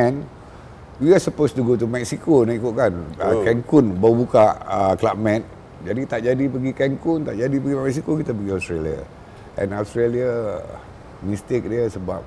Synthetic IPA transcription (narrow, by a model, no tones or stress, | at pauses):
ɛ̃n | wiasəpost̪uɡot̪umɛk̚sikonaikuʔ̚kanəkɛŋkunbaubukaʔəklamɛ̃t̪̚ | d͡ʒadit̪aʔd͡ʒadipəɡikɛŋkunt̪aʔd͡ʒadipəɡimɛk̚sikokit̪apəɡiast̪ɾelia̰ | ʔɛ̰̃nast̪ɾelia | mĩst̪ek̚diəsəba̰p̚